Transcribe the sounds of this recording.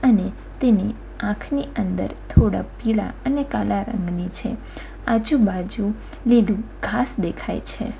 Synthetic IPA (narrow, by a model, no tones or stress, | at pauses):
əne | t̪eni | ãkʰniənd̪ə̰ɾt̪ʰoɽa̰piɭa̰ənekalaɾə̰ŋɡnit͡ʃʰe | ad͡ʒũbad͡ʒũ | lilũɡʱasd̪ekʰa̰jt͡ʃʰḛ